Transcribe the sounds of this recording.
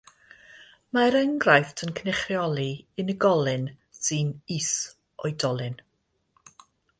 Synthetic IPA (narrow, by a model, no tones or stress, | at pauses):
maɾəŋɡrajθtʰənkʰənɛχrjɔlˠiɨnəɡɔlˠɨn | sɨnis | ɔjdɔlˠɨn